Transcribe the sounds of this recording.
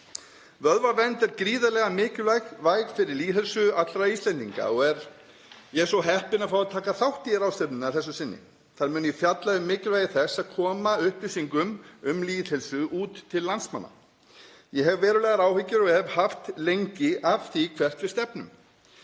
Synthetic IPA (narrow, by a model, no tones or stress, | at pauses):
vœðvavɛnt̪ɛɾkɾiːðalɛɣamɪːcʏvajxvaːjɣfɪɾɪɾliːðhɛlsʏat̪lɾaist̪ɛnt̪iŋka̰ɔɣɛɾ | jɛɛɾsɔɦɛhpɪnafawat̪ʰaːkaθawht̪ijɪɾaːwst̪ɛpnʏnaθɛsːʏsɪnːɪ̰ | θaɾmʏːnʏjɛfjat̪laʏmːɪːcɪlvajɪθɛsːaðkʰɔːmaʏhplisiŋkʏmʏmliːðhɛlsʏuːt̪ʰːɪlːansma̰nːa̰ | jɛɦɛvvɛːɾʏlɛːɣaɾaːwhɪcːʏɾɔhɛvhaft̪lejɲcɪʔafθikʰvɛr̥t̪vɪst̪ɛpnʏ̰m